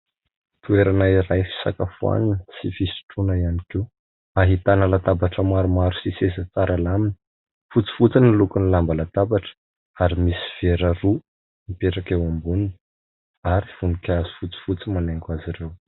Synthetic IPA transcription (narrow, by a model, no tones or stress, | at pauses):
t̪ueɾanaiɾajfi̥sa̰kafua̰ninəsifisi̥ʈ͡ʂunəianike | aɦit̪anəlat̪abaʈ͡ʂəmaɾumaɾusisesat͡saɾalamini̥ | fut͡si̥fut͡sinilukunilambəlat̪abaʈ͡ʂə̥ | aɾimisi̥v̥eɾəru | mipeʈ͡ʂakewambunun | aɾiv̥unikʲazi̥fut͡si̥fut͡simanaŋkaziɾew